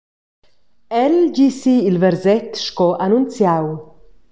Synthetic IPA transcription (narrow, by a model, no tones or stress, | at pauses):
ɛlɟisiːlvɛɾzɛt̪ʃkɔʔanunt͡sjaw